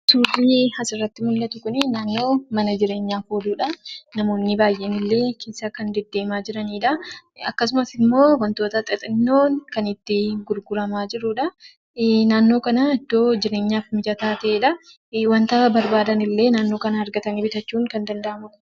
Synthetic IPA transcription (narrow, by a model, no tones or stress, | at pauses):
suːrːiːhɐsɪrːɐt̪ːɪmʊlːɐt̪ʊkʊnɪnaːnːo̞ːmɐnɐd͡ʒɪɾe̞ːɲːaːfhoːd̪uːᶑɐnɐmo̞ːnːɪbaːjʔenɪlːe̞ːkʰeːsːakɐnd̪ɛd̪ːe̞ːmaːd͡ʒɪɾɐniːᶑɐɐkːɐs̬ʊmɐsɪmːo̞ːwɐnt̪oːt̪ɐt̪ʼɐt̪ʼɪnːoːnkɐnɪt̪ːɪɡʊɾɡʊɾɐmaːd͡ʒɪɾuᶑɐ | naːnːo̞ːkɐnɐɪd̪ːo̞ːd͡ʒɪɾe̞ːɲːaːfmɪd͡ʒɐt̪aːt̪ɐʔeːᶑɐ | wɐnt̪ɐbɐɾbaːd̪ɐnɪlːe̞ːnaːnːo̞ːkɐnɐɐɾɡɐt̪ɐniːbɪt̪ɐt͡ʃːuːŋkɐnd̪ɐnd̪ɐʔɐmʊkʊ̥